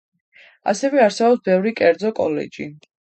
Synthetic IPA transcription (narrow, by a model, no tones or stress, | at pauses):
a̰sɛvɛaɾsɛbɔpsbɛvɾikʼɛɾd̪zɔkʼɔlɛ̰d͡ʒi